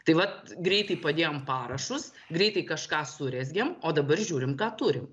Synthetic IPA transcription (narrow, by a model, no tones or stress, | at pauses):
t̪ɐɪʋɐt̪ɡɾʲɛɪt̪ɐɪpɐd̪ʲeːjoːmpɑːɾɐʃʊs | ɡɾʲɛɪt̪ɐɪkɐʃkɑːsʊɾʲɛzʲɡʲɛmoːd̪ɐbɐrʒʲuːɾʲɪmkɑːt̪uːɾʲɪm